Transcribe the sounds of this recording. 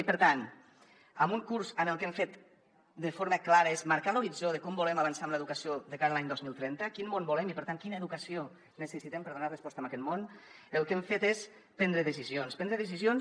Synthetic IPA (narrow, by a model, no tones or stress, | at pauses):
ipəɾt̪an | əmuŋkuɾzənəlˠkɛɱfet̪ | d̪əfoɾməklaɾəezmaɾkaloβizoðəkɔmbulɛmaβənsamləðukəsioðəkaɾəlaɲd̪ɔzmilˠt̪ɾɛnt̪əkinmonbulɛmipəɾt̪aŋkinəeðukəsio | nəsəsit̪ɛmpəɾðunarəspɔst̪əmakɛt̪monəlˠkɛɱfet̪es | pɛnd̪ɾəðəsizjonspɛnd̪ɾəðəs̬izjons